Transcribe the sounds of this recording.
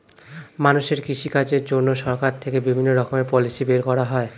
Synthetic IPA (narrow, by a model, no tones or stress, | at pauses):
manuʃeɾkiʃikad͡ʑeɾd͡ʑonːoʃɔɾkaɾt̪ʰekebibʱinːoɾɔkʰomeɾpɔliʃibeɾkɔɾaɦɔe